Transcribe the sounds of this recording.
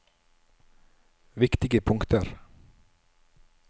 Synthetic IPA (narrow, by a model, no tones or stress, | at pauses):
ʋɪkt̪ɪɡəpʰʊŋkt̪əɾ